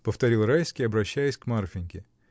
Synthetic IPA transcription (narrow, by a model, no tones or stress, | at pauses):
pəft̪ɐɾʲilˠɾajskʲɪɐbɾɐɕːæjɪsʲkmarfʲɪnʲkʲɪ